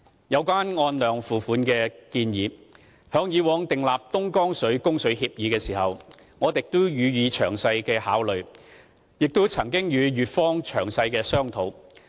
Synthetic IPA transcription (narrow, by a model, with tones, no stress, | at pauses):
jɐ˨˧wkʷaː˥nŋɔː˧nlœː˨ŋfuː˨˩fuː˨˥nkɛː˧kiː˧njiː˨˧ | hœː˨˥ŋjiː˨˧wɔː˨˧˥ŋt̪ɪ˨ŋlaː˨p̚t̪ʊ˥ŋkɔː˥ŋsɵ˨˥ɥkʊ˥ŋsɵ˨˥ɥhiː˧p̚jiː˨˧kɛː˧siː˨˩hɐ˨w | ŋɔː˨˧t̪ɪ˨k̚t̪ʊ˥jyː˨˧jiː˨˧t͡ʃʰœː˨˩ŋsɐ˧jkɛː˧haː˨˥wlɵ˨ɥ | jɪ˨k̚t̪o˥t͡sʰɐ˨˩ŋkɪ˥ŋjyː˨˧ɥyː˨t̚fɔː˥ŋt͡ʃʰœː˨˩ŋsɐ˧jkɛː˧sœː˥ŋt̪ʰo˨˧w